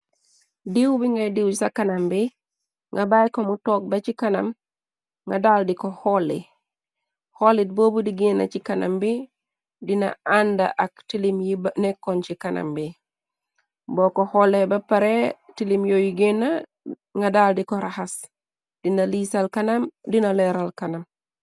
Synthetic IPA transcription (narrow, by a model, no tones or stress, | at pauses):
diwbiŋɡadiwsakanambi | ŋɡabajkomutok̚bat͡ʃikana̰m | ŋɡadaldikohɔlːḭ | holit̚boːbudiɡenːa̰t͡ʃikana̰mbi | dina̰anda̰ʔaktilimjibnekːont͡ʃikana̰mbi | bokoholːebapaɾetilimjojiɡenːa | ŋɡadaldikoɾahas | d̥inalisalkanamdinaleɾalkanam